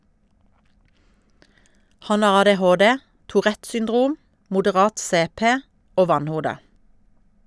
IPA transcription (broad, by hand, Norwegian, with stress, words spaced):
ˈhɑn ˈɑʁ ɑdɛˈhoːˌdɛ tʊˈʁɛt sʏnˈdʁuːm mʊdəˈʁɑːt ˈseːˌpeː ˈoː ˈʋɑnˌhuːdə